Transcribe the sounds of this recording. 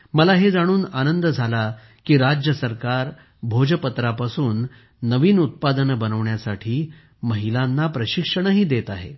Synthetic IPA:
məlaɦed͡zaɽ̃uːnanənd̪əd͡zʱala | kiːɾad͡ʑjəsəɾkaɾ | bʱod͡ʑəpət̪ɾapasuːnː | əʋiːnut̪̚pad̪ənbənəʋɳjasaʈʰiː | məɦilanːapɾəɕikʂəɳəɦiːd̪et̪aɦḛ

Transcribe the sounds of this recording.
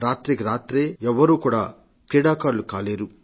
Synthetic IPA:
ɾaːt̪ɾikiɾaːt̪ɾeːɛʋːɐɾuːkuːɽaː | kɾiːɽaːkaːɾlukaːleːɾu

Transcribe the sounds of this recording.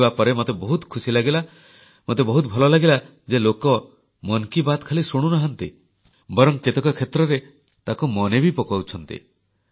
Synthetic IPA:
bapɔɾemot̪ebɔɦut̪kʰusilaɡila | mot̪ebɔɦut̪̚bʱɔlɔlaɡila | d͡ʒelokɔ | mɔnkibat̪kʰalisuɽ̃unɔɦant̪ḭ | bɔɾɔŋket̪ekɔkʰet̪ɾɔɾe | t̪akumɔnebipɔkawt͡ʃʰɔnt̪ḭ

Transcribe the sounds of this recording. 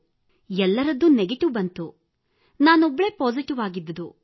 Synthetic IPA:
ɛlːɐɾɐd̪ːuneɡeʈiʋbɐnt̪u | naːnɔbːɐɭeːpoːziʈiʋaːɡid̪ːɐd̪u

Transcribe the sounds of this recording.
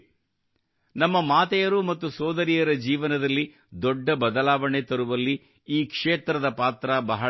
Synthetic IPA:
nɐmːɐmaːt̪ɛjɐɾumɐt̪ːusɔːd̪ɐɾijɐɾɐd͡ʒiːʋɐnɐd̪ɐlːi | d̪ɔɖːɐbɐd̪ɐlaːʋɐɳet̪ɐɾuʋɐlːi | iːkʂeːt̪ɾɐd̪ɐpaːt̪ɾabɐɦɐ

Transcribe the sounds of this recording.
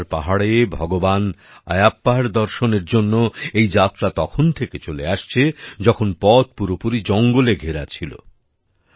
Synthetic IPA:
ɾpaɦaɽebʱɔɡoban | a̰japːaɾd̪ɔɾʃoneɾd͡ʑonːoejd͡ʑat̪ːɾat̪ɔkʰont̪ʰeket͡ɕoleaʃt͡ɕʰed͡ʑɔkʰonpɔt̪̚puɾopuɾid͡ʑɔŋɡoleɡʱeɾat͡ɕʰilo̰

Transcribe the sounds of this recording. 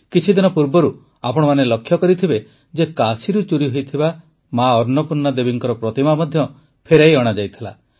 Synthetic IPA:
kit͡ʃʰid̪inɔpuɾbɔɾu | apɔɽ̃ɔmanelɔkʰːjɔkɔɾit̪ʰibe | d͡ʒekasiɾut͡ʃuɾiɦojt̪ʰiba | maɔɾnɔpuɾnɔd̪ebiŋkɔɾɔpɾɔt̪imamɔd̪ʱjɔ | pʰeɾajɔɽ̃ad͡ʒajt̪ʰila̰

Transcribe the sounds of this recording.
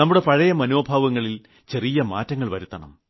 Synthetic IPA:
nɐmːuɽe̞pɐɻɐjɐmɐnoːbʱaːʋɐŋːɐɭil | t͡ɕe̞rijɐma̰ːtːɐŋːɐɭʋɐɾut̪ːɐɳɐ̰m

